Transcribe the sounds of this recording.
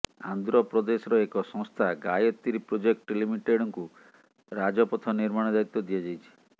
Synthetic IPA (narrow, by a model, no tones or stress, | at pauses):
a̰nd̪ɾɔpɾɔd̪esɔɾɔekɔsɔ̃ŋst̪ʰaɡajɔt̪ːiɾipɾod͡ʒek̚ʈlimiʈeɽɔŋku | ɾad͡ʒɔpɔt̪ʰɔniɾmaɽ̃ɔd̪aɾit̪ːɔd̪ijad͡ʒajt͡ʃʰi̥